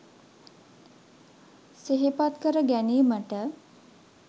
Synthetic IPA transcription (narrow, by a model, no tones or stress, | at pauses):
seɦipat̪kəɾəɡæniːməʈə